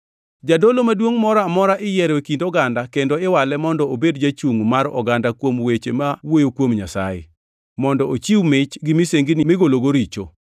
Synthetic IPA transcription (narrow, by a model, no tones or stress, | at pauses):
d͡ʒadolomadwoŋmɔɾamɔɾaʔɪjɛɾekindɔɡandakendoɪwalɛmɔndɔobedd͡ʒat͡ʃuŋmaɾɔ̰ɡandakwomwet͡ʃemawojokwomɲasajḛ | mɔndɔʔot͡ʃiwmɪt͡ʃɡimiseŋɡinimɪɡoloɡoɾit͡ʃo̰